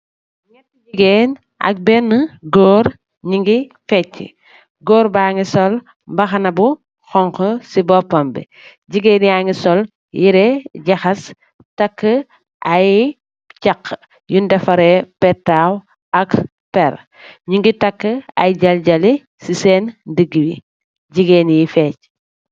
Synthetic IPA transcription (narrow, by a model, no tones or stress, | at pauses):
jɛtɟiɡen | ʔɐ̰k̚bɛnːəɡɔːɾ | ɲiŋɡifɛcːḭ | ɡɔːɾbaːŋɡisɔl | mbɐxɐnɐbu | xɔŋkɔsibɔpɔmbɛ̰ | ɟiɡeːnjaŋɡisɔl | jiɾɛɟɐxɐs | tɐkːə | aj | t͡ʃakː | jundɐfɐɾepɛtaw | ɐk | pɛɾ | ɲiŋɡitɐkːəɐ̰jɟɐlɟɐli | sisɛːndəɡːiwḭ | ɟiɡeːnijifɛːc